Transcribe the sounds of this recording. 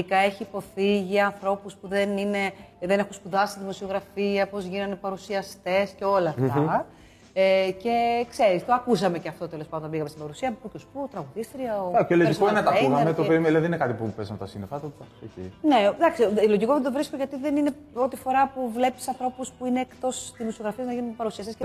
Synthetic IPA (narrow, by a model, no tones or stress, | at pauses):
ikɐe̞çiːpo̞θiʝiɐnθɾo̞puspuðenine̞ðene̞xunspuðɐsiðimo̞sio̞ɣɾɐfiɐpo̞zʝinɐnd̪epɐɾusiɐst̪e̞sceo̞lɐːft̪ɐ | ece̞kse̞ɾist̪oɐkusɐme̞ceɐft̪o̞t̪elo̞spand̪biɣɐmest̪ibɐɾusiɐpucosu̥puot̪ɾɐɣuðist̪ɾiɐoeloikoenet̪ɐkunɐmmet̪ovɾimelɐðieninekɐt̪ipupezɐmt̪ɐsinefɐt̪oɐocḭne̞d̪ɐksiloʝiko̞ðet̪ovɾiskoʝɐt̪iðenine̞ | o̞t̪ifo̞ɾɐpuvle̞pissɐnθɾo̞puspuine̞ːkt̪o̞sðimosio̞ɣɾɐfieznɐʝinɐund̪epɐɾusiɐst̪esce